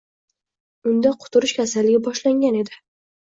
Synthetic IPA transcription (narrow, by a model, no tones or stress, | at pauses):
ʊnd̪aqʰʊ̥t̪ʰʊɾɪʃkʲʰasalːɪɡʲɪbɒʃlaŋɡʲane̞d̪ɪ